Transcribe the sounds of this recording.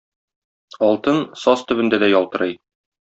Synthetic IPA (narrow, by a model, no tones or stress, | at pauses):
ɒlˠt̪ɤnsɒst̪ɵ̆bɘ̆nd̪æd̪æjɒlˠt̪ɤ̆ɾɤj